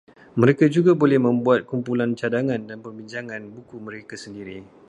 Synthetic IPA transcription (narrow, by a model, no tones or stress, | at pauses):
məɾekad͡ʒuɡabolɛhmə̃mbuat̪̚kumpulant͡ʃadaŋãndanpərbiɲd͡ʒaŋãnbukumə̃ɾekasəndiɾi